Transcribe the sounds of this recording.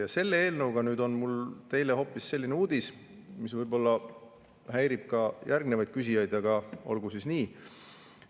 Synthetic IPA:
jɑse̞lːee̞ːlnɤwɡ̥ɑnyːd̪o̞nmult̪e̞jle̞ho̞ːpːˑisːe̞lʲːineuːd̪is | misvɤjbo̞lːɑ | hæjɾib̥̚kɑjʔærɡ̚nevɑjd̪̚kys̬ʲijɑjd̪̥ɑɡ̥ɑo̞̰lɡusisniː

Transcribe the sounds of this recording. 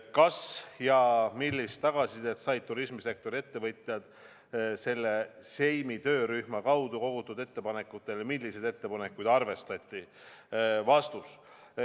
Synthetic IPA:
kɑsjɑmilːist̪ːɑɡ̥ɑsid̪̥e̞t̪sɑjd̪̚t̪uɾismise̞k̚t̪o̞ɾie̞t̪ːe̞vɤt̪ʲˑjɑd̪̥ | se̞lːe̞se̞jmit̪ø̞ːɾyhmɑkɑwd̪uko̞ɡ̥ut̪ːˑud̪̥e̞t̪ːe̞pɑne̞kːut̪ːˑe̞lmilːise̞d̪et̪ːe̞pɑne̞kːujd̪̥ɑrve̞st̪ɑt̪ʲːˑi | vɑst̪us

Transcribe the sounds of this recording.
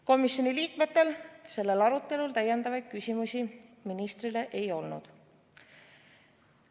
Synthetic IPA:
ko̞misʲjo̞niliːkme̞t̪ːe̞lse̞lːe̞lɑɾut̪ːˑe̞lult̪æjːe̞nd̪ɑvɑjd̪̥kysʲimusʲiminist̪ɾile̞ʔejo̞lnṵd̪̥

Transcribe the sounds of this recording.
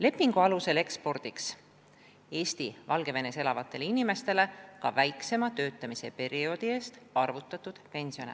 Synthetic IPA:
le̞pːiŋɡ̥uɑluse̞le̞kspo̞rd̪̥iks | e̞ːst̪ivɑlɡ̥e̞ve̞nese̞lɑvɑt̪ˑːe̞linime̞st̪e̞le̞kɑ̰væjkse̞mɑt̪ø̞ːt̪ːˑɑmise̞pe̞ɾio̞d̪̥ie̞ːst̪ɑrvut̪ːˑɑt̪ːˑud̪̥pe̞nʲsio̞̰ne

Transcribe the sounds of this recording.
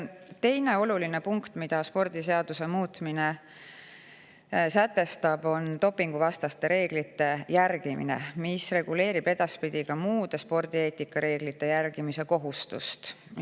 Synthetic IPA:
t̪e̞jne̞o̞luline̞puŋkt̪mid̪̥ɑspo̞rd̪̥ise̞ɑd̪̥use̞muːt̪mine | sæt̪ːe̞st̪ɑb̥o̞nt̪o̞pːˑiŋɡ̥uvɑst̪ɑst̪e̞ɾe̞ːɡ̥lit̪ːe̞jærɡ̥imḭnḛmisre̞ɡ̥ule̞ːɾib̥e̞d̪ɑspid̪̥ʲiɡ̥ɑmuːd̪̥espo̞rd̪ieːt̪ʲːikːˑɑɾe̞ːɡ̥lit̪ːejærɡ̥imise̞ko̞ɦust̪ṵst̪

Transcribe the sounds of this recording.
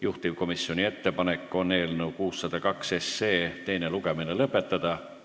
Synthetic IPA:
juht̪ivko̞misːio̞nʲie̞t̪ːe̞pɑne̞kːo̞ne̞ːlneukuːsːɑd̪̥ɑkɑkse̞sːe̞ːt̪e̞jneluke̞minelɤpːe̞t̪ːɑd̪̥ɑ

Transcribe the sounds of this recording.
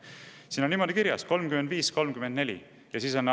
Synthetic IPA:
siːnonːimo̞d̪̥ikiɾjɑ̰sko̞lmkymend̪viːsko̞lmkymed̪̥ne̞lʲḭ | jɑsiːson

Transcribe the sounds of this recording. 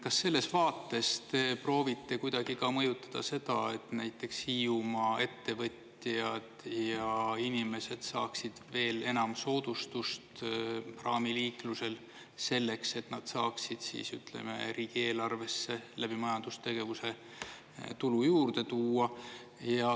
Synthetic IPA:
kɑsːe̞lːesvɑːt̪ːˑe̞st̪e̞pro̞ːvit̪ːe̞kujd̪̥ɑɡ̥ikɑmɤjut̪ːˑɑ̥d̪̥ɑ̰se̞d̪̥ɑe̞t̪næjt̪ːˑe̞kshiːumɑe̞t̪ːe̞vɤt̪ | jɑd̪̥jɑinime̞se̞d̪̥sɑːksid̪̥ve̞ːle̞nɑmso̞ːd̪̥ust̪ust̪prɑːmiliːkluse̞l | se̞lːe̞kse̞t̪nɑd̪̥sɑːksid̪̥sḭːsyt̪ˑlḛmḛɾiːɡ̥ie̞ːlɑrve̞sːe̞læb̥imɑjɑnd̪̥ust̪e̞ɡ̥e̞vuse̞ | t̪ulujuːrd̪e̞t̪uːɑ | jɑ

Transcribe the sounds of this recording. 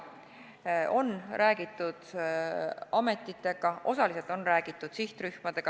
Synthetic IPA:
o̞nræːɡit̪ːˑud̪̥ | ɑme̞t̪ːˑit̪ːe̞ɡ̥ɑʔo̞sɑliselt̪o̞nræːɡ̥it̪ːˑud̪̥siht̪ryhmɑd̪̥e̞ɡ̥ɑ

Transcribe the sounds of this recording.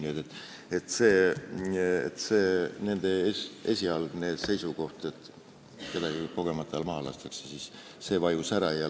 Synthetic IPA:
nʲiet̪et̪ːˑ | e̞t̪ːˑse̞ː | ḛt̪se̞ːne̞nd̪̥e̞ʔe̞sʲiɑlɡ̥ne̞ːd̪̥se̞jsuko̞ht̪e̞t̪ˑ | ke̞d̪ɑɡiko̞ɡ̥e̞mɑt̪ːˑɑlmɑːlɑ̰st̪ɑksesis | se̞ːvɑjusæɾɑjɑ

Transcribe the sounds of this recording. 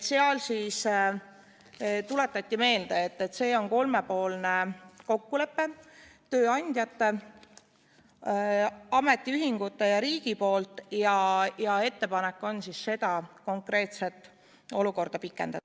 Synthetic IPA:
seɑlsiːs | t̪ule̞t̪ːˑɑt̪ʲːime̞ːld̪eet̪ːe̞t̪se̞ːo̞nko̞lme̞po̞ːlne̞ko̞kːule̞pːe̞t̪øːɑnʲd̪̥ʲjɑt̪ːe̞ | ɑme̞t̪ʲːˑiyɦiŋɡ̥ut̪ːe̞jɑɾiːɡ̥ipo̞ːlt̪ˑjɑjɑe̞t̪ːe̞pɑnekːˑo̞nsisːe̞d̪̥ɑko̞ŋkre̞ːt̪se̞t̪ːˑ | o̞luko̞rd̪̥ɑpikːˑe̞̰nd̪̥ɑ

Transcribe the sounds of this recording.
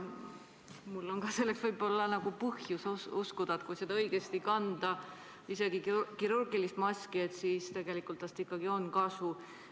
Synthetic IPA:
mulːo̞ŋɡɑːse̞lːe̞ksvɤjbo̞lːɑnɑɡ̥upɤhjususkud̪̥ɑt̪kujsed̪̥ɑɤjɡe̞st̪ikɑnd̪̥ɑ | ise̞ɡ̥ikkiɾurɡ̥ilist̪mɑsʲkiet̪siːst̪e̞ɡ̥e̞likːˑult̪ːˑɑst̪ikːˑɑɡio̞nkɑsu

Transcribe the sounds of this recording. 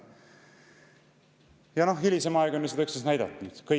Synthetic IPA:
jɑno̞hɦilʲisemɑeɡ̥o̞nːyt̪sed̪ɑyksesnæjd̪ɑt̪ːˑnyd̪̥kɤ

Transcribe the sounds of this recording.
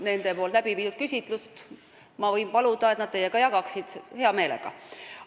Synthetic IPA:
ne̞nd̪̥e̞po̞ːlt̪læbiviːd̪ud̪̚kysʲit̪ˑlust̪ | mɑvɤjnpɑlud̪ɑet̪nɑd̪̥̚t̪e̞jeɡ̥ɑjɑɡ̥ɑksid̪̥he̞ɑme̞ːlḛɡ̥ɑ̰

